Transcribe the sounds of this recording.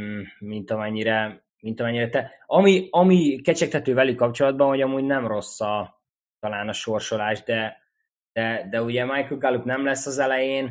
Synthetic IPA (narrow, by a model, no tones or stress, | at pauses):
mint̪ɒmɛɲːiɾɛ | mint̪ɒmɛɲːiɾɛt̪ɛ | ɒmiɒmikɛt͡ʃɛk̚t̪ʰɛt̪øːvɛlykkːɒp̚t͡ʃo̞lɒd̪̚bɒnɦoɟɒmuːɟnɛmro̞sːɒ | t̪ɒlaːnɒʃo̞rʃo̞laːʒd̪ɛ | d̪̥ɛd̪ɛuɟɛmajkəlɡalupnɛmlɛsːɒzɛlɛjeːn